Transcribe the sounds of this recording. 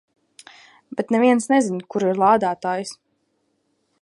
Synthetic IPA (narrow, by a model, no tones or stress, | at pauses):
bɛt̪nɛviɛnsnɛzinkuɾiɾlˠaːd̪aːt̪aːjis